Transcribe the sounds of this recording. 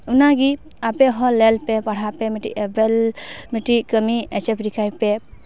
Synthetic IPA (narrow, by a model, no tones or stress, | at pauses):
unaɡi | apeɦɔlelpepaɽ̤hapemiʈḭebelmiʈikəmiet͡ʃepɾikʰajpe